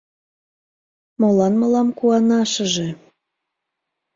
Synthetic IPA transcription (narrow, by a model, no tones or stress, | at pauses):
molɑnməlɑmkuɑnɑʃəʒe